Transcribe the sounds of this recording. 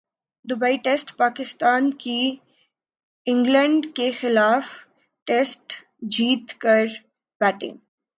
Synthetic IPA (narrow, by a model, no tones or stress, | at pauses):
d̪ʊbaiʈeːsʈpaːkɪst̪aːnki | ɪ̃ŋɡlə̃ɳɖkexɪlaːf | ʈeːsʈ | d͡ʒiːt̪kəɾ | b̥æːʈɪ̰̃ŋɡ